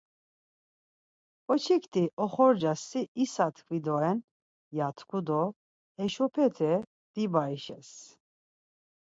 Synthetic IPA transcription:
ɔt͡ʃʰikt̪ʰiʔɔχɔɾd͡ʒasiːsat̪ʰkʰvid̪ɔɛn | jat̪ʰkʰud̪ɔ | ɛʃɔpʰɛt̪ʰɛ | d̪̥ibaiʃɛs

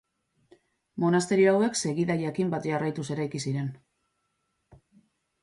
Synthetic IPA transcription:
mo̞nast̪e̞ɾioawe̞kse̞ɣiðaʝakimbat̪ʝarajt̪use̞ɾajkisiɾe̞n

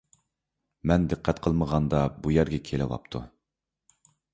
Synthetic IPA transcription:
mɛnd̪ɨqʰːɛt̪qʰəlˠməʁɑnd̪ɑbujæɾɡʲɛkʲʰelɪwɑ̰p̚t̪ʰu

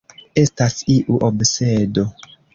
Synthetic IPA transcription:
e̞stasiʔuʔobsedo̞

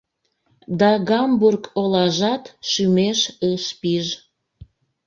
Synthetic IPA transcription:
d̪ɑɣɑmburkʰolɑʒɑt̪ʃymeʃəʃpiʒ

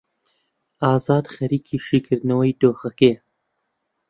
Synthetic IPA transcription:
ɑːzɑːd̪xɐɾiːkʰiːʃiːkʰɨɾd̪nɐwɐjd̪oːxɐkeː

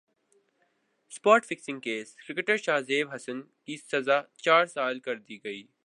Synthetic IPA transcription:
spaːʈfɪksɪ̃ŋɡkeːskɾɪkʈəɾʃaːzeːbɦɐsən | kisɐzaːt͡ʃaːɾsaːlkɐɾd̪iːɡɐiː

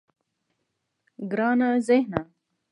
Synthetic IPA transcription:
ɡɾaːnazehna

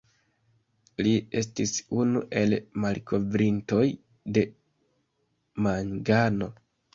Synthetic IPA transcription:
lie̞s̬tisunuʔe̞lmalko̞vɾinto̞j | de̞ | maŋɡano̞

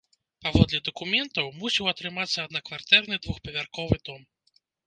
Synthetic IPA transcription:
pavɔd̪lʲɛd̪ɐkumʲɛnt̪ɐwmusʲiwɐt̪ɾɨmat̪sːɐːd̪nɐkvart̪ɛrnɨd̪vuxpɐvʲarkɔvɨd̪ɔm

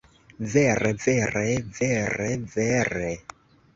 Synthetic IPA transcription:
vɛrɛvɛrɛvɛrɛvɛrɛ

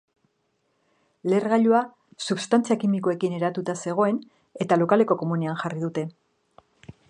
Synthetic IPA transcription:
le̞rɣaʎua | suβst̪ant͡siakimikoe̞kine̞ɾat̪ut̪ase̞ɣ̞o̞e̞n | e̞t̪alo̞kale̞ko̞ko̞muneanʝarið̞ut̪e̞

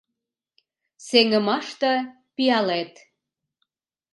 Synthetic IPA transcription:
seŋə̆mɑʃt̪ɤ̆ | piɑlet̪

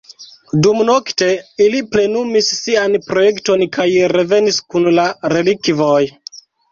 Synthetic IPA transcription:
dumno̞kte̞iliple̞numisːianpɾo̞je̞kto̞nkʰajɾe̞ve̞niskunlaɾe̞likvo̞j

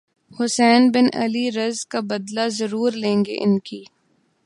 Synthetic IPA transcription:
hʊsɛːnbɪnɐ̰liɾɐzkabɐd̪lazɐɾuːɾlẽːŋɡḛʔɪnkiː

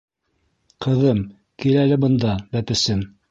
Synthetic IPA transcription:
qʰɤ̆ðɤm | kilælɘbɤ̆nd̪ɑbæpɘ̆sɘm

